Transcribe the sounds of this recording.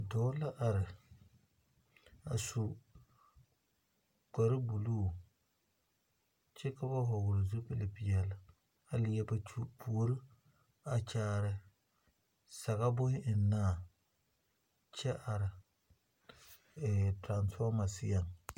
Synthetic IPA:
dɔː˨˦la˦ʔa˨ɾɪ˨ | a˨sʊ˨ | ka˨ɾɪ˦bu˨luː˦˨ | t͡ʃɛ˦ka˦ba˦ɦɔ˨ɡʊ˨ɾɪ˨zʊ˦pɪ˦lɪ˨pɪ˨jɛ˨la˨ | a˨lɪ˨jɛ˦bu˦pʰu˨o˦ɾɪ˦ | a˨t͡ʃaː˦˨ɾɪ˦ | sa˨ɣa˦bʊ˦hɪ˦ʔɪ˨nːaː˦˨ | t͡ʃɛ˦ʔa˨ɾɪ˨ | tɾa˨nsfɔ˦ma˨sɪ˦ja˨ŋ

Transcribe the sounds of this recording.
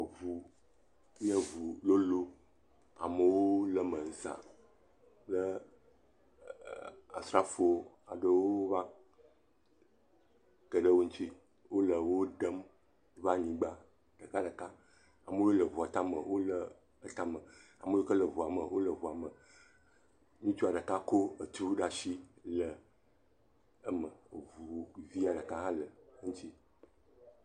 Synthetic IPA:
vu˨ | mĩ˦a˦vu˨lo˦lo˦ | a̰˨mə˨wo˦lə˨mə˨ŋ̩˦sa̰˨ | lə˦ | a̰˨sɾa˦fo˨o˦ | a̰˨ɖə˦wo˦va˦ | kə˨ɖə˦wo˦ɲ̩̃˦t͡ʃi˦ | wo˦lə˨wo˦ɖə˦m | va˦ɲĩ˦ɡ͡ba˦ | ɖ̥ə˨ka˦ɖə˨ka˦ | a˨mə˦o˦lə˨vu˨a˨t̪a˦mə̰˨wo˦lə˨ | ə˨t̪a˦mə˨ | a˨mə˦o˦kə˦lə˨vu˨a˨mə˨wʔo˦lə˨vu˨a˨mə˨ | mĩ˦t͡ʃu˦a˨ɖə˨ka˦ko˦ə˨t̪u˦ɖa˦ʃi˦lə˨ | ə˦mə˨vu˨vi˦a˨ɖə˨ka˦ɦã˦lə˨˦ŋũ˦t͡ɕi˦

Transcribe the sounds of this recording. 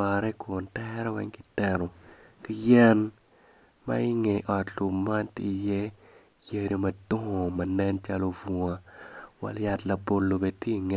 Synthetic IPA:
a˨ɾɛ˦kʊ˨ntɛɾɛ˦wɛ̰˦ŋki˦tɛ˨ɾo˨ki˦jɛ˦n | ma̰˦i˦ŋe˨ʔɔ˨tlu˨ma˦nti˦i˨jɛ˦ | je˨ɾi˦mɐ˨dʊ˦ŋo˨mɐ˨nɛ˦nt͡ʃa˦lo˦vu˨a˨wa̰˨lja˨tlɐ˨bo˨lːo˨be˨dte˦i˨ŋe˨

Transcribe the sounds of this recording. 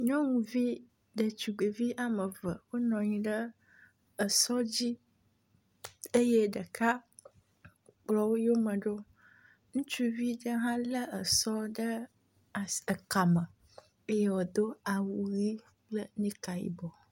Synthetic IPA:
ɲɔ̃˦ŋũ˨vi˦ | ɖə˨t͡ʃu˨ɡ͡be˨vi˦ʔa˨mə˨və̰˨wo˦nɔ̃˨ɲĩ˦ɖə˦ | ə˨sɔ˦d͡ʑi˦ | e˦je˦ɖə˨ka˦ | k͡plɔ˦wo˦jo˦mə̃˨ɖo˦ | ŋũ˦t͡ʃu˦vi˦ɖə˦ɦã˦lə˦ə˨sɔ˦ɖə˦˨ | ə˨ka˨mə˨ | e˦je˦wo˨d̪o˦a˨wu˨ɣi˦ | k͡plə˦nĩ˦ka˨jḭ˦bɔ˨

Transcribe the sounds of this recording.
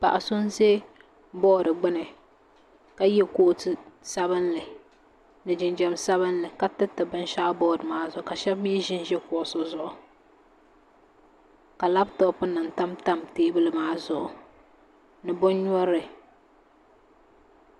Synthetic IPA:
pa̰˨ʔa˨sʊ˦n˦ze˦ | bɔː˦˨ɾɨ˨ɡ͡bɨ˦nɨ˨ | ka˦jɛ˦ko˦sɨ˨sa˦bɨ˦nlɨ˨ | nɨ˨d͡ʒɪ˨nd͡ʒɛ˨msa˦βɨ˦nlɨ˨ka˦tɨ˦tɨ˨bɨ˦n˦ʃa˦bɔː˦˨ɾɨ˨maː˦zʊ˨ʔʊ˨ka˨ʃɛ˦bmi˦ʒɪ˦n˦ʒɛ˦kʊ˨ʔʊ˨sʊ˦zʊ˨ʔʊ˨ | ka˨la˦btɔ˦pːʊ˦nɨ˨nta˦mta˦mteː˦bɨ˦lɨ˦maː˦zʊ˨ʔʊ˨ | nɨ˨bʊ˦n˦ɲɔ˦ɾɨ˨

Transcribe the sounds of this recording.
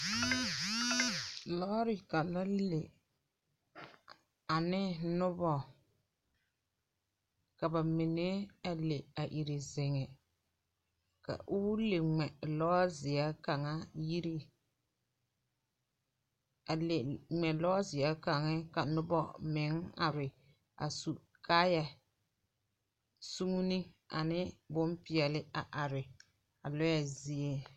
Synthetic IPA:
lɔ˦ɾɪ˦ka˨la˦lle˨ | a˨nɪ˦nʊ˦bɔ˨ | ka˨ba˨mɪ˨ne˦a˨le˨a˨ʔi˨ɾi˨zɪ˨ŋɛ˨ | ka̰˨ʔʊ˦le˨ŋ͡mɛ˨lɔ˦a˦zɪ˨a˦ka˨ŋa˦ji˦ɾi˦ | a˨le˨ŋ͡mɛ˨lɔ˦zɪ˨a˦ka˨ŋɛ˦ka˨nʊ˦bɔ˨mɪ˨˦ŋa˨ɾɪ˨ | a̰˨su˨ | kʰa˦ja˨ | su˦ŋu˦ni˦ | a̰˨nɪ˦bʊ˦m˦pɪ˦ɛ˨lɪ˦a˨ʔa˨ɾɪ˨ | a˨lɔ˦ja˦zi˨e˦

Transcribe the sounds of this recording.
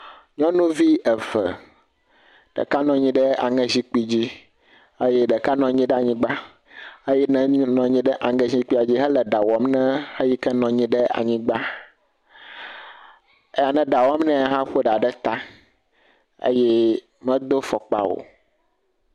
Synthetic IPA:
ɲɔ̃˦nũ˦vi˦ɛ˨və̰˨ | ɖ̥ɛ̰˨ka˦nɔ̃˨ɲĩ˦ɖɛ˦a̰˨ŋɛ̃˦zi˦k͡pi˦d͡ʑi˦ | ə˦jɛ˦ɖɛ˨ka˦nɔ̃˨ɲĩ˦ɖɛ˦a˨ɲĩ˦ɡ͡ba˦ | ə˦jɛ˦nɛ̃˦nɔ̃˨ɲĩ˦ɖɛ˦ʔa˨ŋɡɛ˦zĩ˦k͡pi˦a˨d͡ʑi˦ɦɛ˦lɛ˨ɖa˨wɔ˨mnɛ̃˦hɛ˦ji˦kɛ˦nɔ̃˨ɲĩ˦ɖɛ˦a̰˨ɲĩ˦ɡ͡ba˦ | e˦ja˨nɛ̃˦ɖa˨wɔ˦mnɛ̃˦a˨ɦã˦ɸo˦ɖa˨ɖɛ˦t̪a˦ | ḛ˦jɛ˦ | mɛ̃˦d̪o˦fɔ˨k͡pa̰˨wo̰˨

